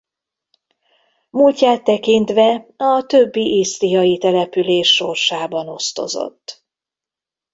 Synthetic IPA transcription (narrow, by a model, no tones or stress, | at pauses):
mulcːaːt̪ːɛkint̪ʋɛɒt̪øbːiʔisɾijɒjit̪ɛlɛpyleːʃːo̞rʃaːbɒno̞st̪o̞̰zo̰t̪ː